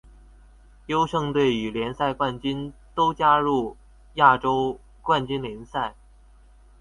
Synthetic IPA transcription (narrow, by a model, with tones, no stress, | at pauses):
jo˥ʊʂɤ˥˧ŋt̪we˥˩ɪy˨˩ljɛ˧˥nsa˥˧ɪkwa˥˩nt͡ɕy˥nt̪o˥ʊt͡ɕja˥ɻu˥˩ | ja˥˩ʈ͡ʂo˥ʊ | kwa˥˩nt͡ɕy˥nljɛ˧˥nsa˥˩ɪ